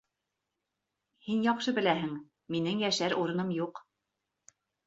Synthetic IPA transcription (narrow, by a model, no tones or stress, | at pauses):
hinjɑqʃɤbɘ̆læɦɘŋ | minɘŋjæʃæɾʔuɾɤ̆nɤmjuq